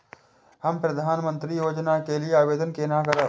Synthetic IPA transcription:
hɐmpɾɐd̪ʱaːnmə̃nt̪ɾijoːd͡ʒnakelieaːʋeːd̪ənkeːnakəɾə

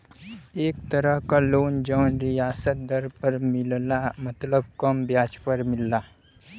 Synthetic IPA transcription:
eːk̚t̪əɾəɦkaloːnd͡ʒəːnɾijaːsət̪̚d̪əɾpəɾmɪllamɐt̪ləb̚kəmbjaːt͡ʃpəɾmɪlːaː

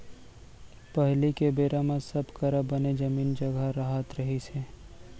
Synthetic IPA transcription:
pəɦlikebeːɾamãsɐbkɐɾəbəned͡ʒɐmiːnd͡ʒɐɡəɾaɦət̪ɾɐɦiseː

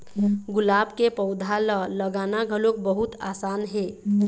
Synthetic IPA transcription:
ɡʊlabkepəwd̪ʱalələɡanaɡʱəlok̚bəɦut̪asanɦe

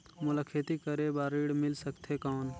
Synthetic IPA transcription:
mʊləkʰːet̪ikəɾebaːɾiːɽmɪlsəkt̪ʰɦekɔːn

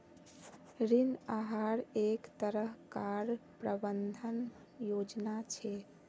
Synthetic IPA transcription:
ɾinaɦaɾekt̪əɾəɦkaɾpɾəbənd̪ʱən | jod͡ʒnat͡ʃʰɛ

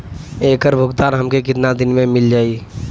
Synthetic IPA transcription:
eːkəɾbʱʊɡt̪aːnɦəmkekɪt̪nad̪ɪnmẽmɪld͡ʒaːi

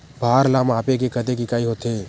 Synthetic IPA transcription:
bʱaːɾlaːmaːpek̬ekəd̪ekikaːiɦot̪ʰe

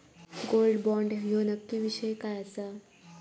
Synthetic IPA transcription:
ɡolɖbɔɳɖjonəkːiʋiɕəjkajasa

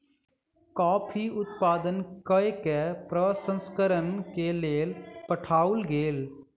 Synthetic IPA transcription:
kɔːpʰiʊt̪paːd̪ənkəekepɾəsə̃nskəɾənkeleːlpəʈʰaːʊlɡeːl

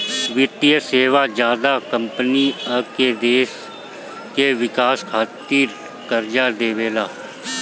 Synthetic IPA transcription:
ʋɪt̪ijəseːʋaːd͡ʒjaːd̪akəmpəniəked̪eːs | keʋɪkaːskʰaːt̪iːɾ | kəɾd͡ʒaːd̪eːʋeːlaː

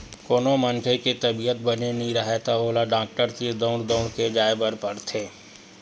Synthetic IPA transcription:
koːnomənʈʰeket̪ɐbijət̪̚bənenĩɾɐɦet̪aoːlaɖãːk̚ʈəɾkid̪oːɽd̪oːɽked͡ʒaːebəɾpɐɽt̪ʰeː

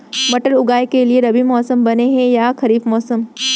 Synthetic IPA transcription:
bɐʈəlʊɡaːekelieɾɐbimɔːsəmbɐneɦɛ̃jakɐɾiːfmɔːsəm

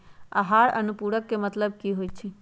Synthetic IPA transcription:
a̰ɦaːɾənupuːɽəkːemət̪ləb̚kiɦoːit͡ʃʰi

